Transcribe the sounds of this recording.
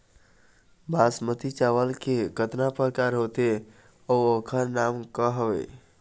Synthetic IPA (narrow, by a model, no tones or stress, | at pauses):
bʱasmət̪it͡ʃaʋəlkeɡʱət̪napəɾkaɾɦot̪e | ɔokʰəɾnamkəɦʋḛ